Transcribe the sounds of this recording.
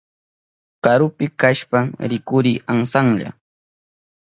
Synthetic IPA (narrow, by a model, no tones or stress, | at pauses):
kaɾʊpɪkaʃpaŋɾɪkʊɾiːaŋsaŋʎa̰